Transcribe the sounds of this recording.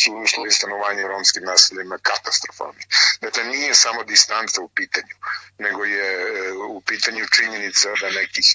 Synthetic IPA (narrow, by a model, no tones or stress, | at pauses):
suuslˠojest̪anoʋaːɲeɾomskimnaːsiʎamakat̪ast̪ɾofa̰lˠnid̪aklenijesamo̞d̪ist̪ant̪saupiːt̪aɲuneɡojeupiːt̪aɲut͡ʂiɲenit̪sad̪anekix